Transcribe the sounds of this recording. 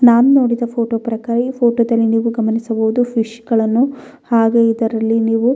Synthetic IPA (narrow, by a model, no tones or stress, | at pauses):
naːnuno̞ːɽid̪ɐpʰo̞ːʈoːpɾɐkaːɾɐiːpʰoːʈoːd̪ɐlːiniːʋuɡɐmɐnisɐbuʋud̪upʰiʃɡɐɭɐnːu | haːɡe̞id̪ɐɾɐlːiniːʋu